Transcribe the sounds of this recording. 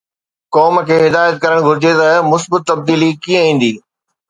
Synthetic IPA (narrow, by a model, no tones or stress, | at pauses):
kɔːmkʰeːɦɪd̪aːjət̪̚kɐɾəɽ̃ɡʱʊɾɪd͡ʑet̪ɐmʊsbət̪ːɐb̚d̪iːlikiːə̃ĩːn̆d̪iː